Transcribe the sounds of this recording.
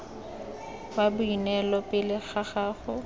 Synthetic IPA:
babʊinɛlɔpɪlɪɣaχaːχʊ

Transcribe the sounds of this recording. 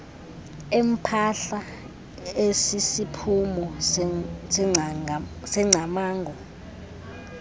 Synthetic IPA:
em̩pʰaɬa | esisipʰumɔ | s | sɛŋ͡ǀʱamaːŋɡʱɔ

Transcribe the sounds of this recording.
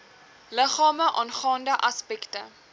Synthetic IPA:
ləχɑːməʔɑːnχɑːndəʔɐspɛktə

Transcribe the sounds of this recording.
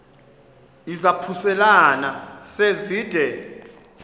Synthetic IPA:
izapʰusɛlanaseziːd̥ʱɛ

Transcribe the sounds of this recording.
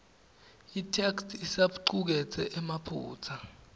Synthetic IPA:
itʰɛksisaɓuǀuk̬ɛt͡sʰʼɛʔɛmapʰṵːt͡sʰa

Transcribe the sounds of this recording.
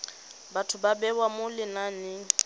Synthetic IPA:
batʰʊbabɛwamʊlɪnanɪ

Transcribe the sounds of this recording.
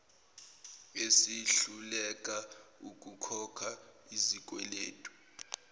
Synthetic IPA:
esiɬulɛkʼauk̬ʼukʰɔkʰaizik̬ʼwɛlḛːtʼu̥

